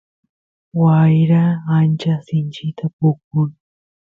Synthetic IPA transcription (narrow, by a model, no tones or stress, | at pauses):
wajɾaːnt͡ʃasɪnt͡ʃɪt̪ʰapʊk̚ʊj